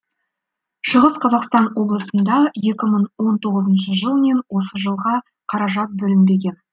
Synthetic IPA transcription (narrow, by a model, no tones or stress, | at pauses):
ʃəʁəsqʰɑzɑqst̪ɑnwo̞blˠəsənd̪ɑje̞kʲɪməɴwo̞nt̪ʰo̞ʁəzənʃəʒəlˠme̞nwo̞səʒəlˠʁɑ | qʰɑɾɑʒɑt̪̚bɵlɪnbe̞ɡʲe̞n